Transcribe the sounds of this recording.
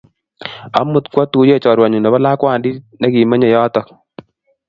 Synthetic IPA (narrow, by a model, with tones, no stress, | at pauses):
a̰˦mu˨tkwɔ˦tu˦je˦˨t͡ʃɔ˨ɾwa˨ɲu˨ne˨βa˦laː˦kwa˦˨ndi˦ne˦ki˨me˦ɲe˨jɔː˦tɔ˦k̚